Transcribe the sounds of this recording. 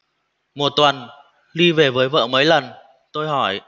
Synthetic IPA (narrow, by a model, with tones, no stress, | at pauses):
mo˨˩t̚t̪wə˨˩n | li˧ve˨˩vəː˨˦jvə̰ː˧˨mə˨˦jlə˨˩n | t̪o˧jɦɔ˧˩j